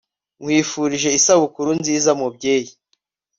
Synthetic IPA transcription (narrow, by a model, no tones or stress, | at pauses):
ŋwiːfuɾiʒe̞isaβukuɾunziːzamubɟeːji